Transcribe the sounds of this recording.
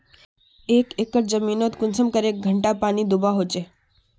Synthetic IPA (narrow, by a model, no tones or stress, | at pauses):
ekekəʈd͡zəmiːnot̪kunsəmkəɾek̚ɡʱəɳʈapaɽ̃iːd̪ubaɦot͡ʃe